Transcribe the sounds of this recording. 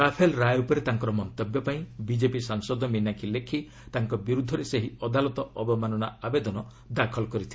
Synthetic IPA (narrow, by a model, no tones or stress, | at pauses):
ɾapʰelɾajupɔɾet̪aŋkɔɾɔmɔnt̪ebjɔpaĩbid͡ʒepisaŋsɔd̪ʱɔminakʰilekʰi | t̪aŋkɔbiɾud̪ʱːɔɾeseɦiɔd̪ʱalɔt̪ɔʔɔbɔmanɔnaabed̪ɔnɔ | d̪akʰɔlɔkɔɾit̪ʰil